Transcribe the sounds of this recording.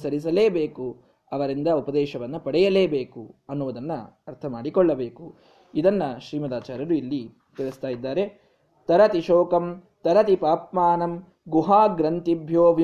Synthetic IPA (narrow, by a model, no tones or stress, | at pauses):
sɐɾis̬ɐle̞ːbeːku | ɐʋɐɾind̪ɐupɐd̪ɛːʃɐʋɐnːupɐɽɛjɐle̞ːbeːkuɐnːuʋud̪ɐnːɐɐɾt̪ʰɐmaːɽikɔɭːɐbeːku | id̪ɐnːɐʃɾiːmɐd̪aːt͡ʃaːɾjɐɾuilːi | t̪iɾust̪aːjid̪ːaːɾe̞ | t̪ɐɾɐt̪iʃɔːkɐm | t̪ɐɾɐt̪ipaːpmaːnɐm | ɡuɦaːɡɾɐnt̪ibʱjoːʋ